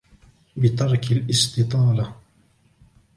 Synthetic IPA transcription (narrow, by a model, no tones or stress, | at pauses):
bɪt̪ɑɾˤkalʔɪst̪ɨt̪ˤɑːla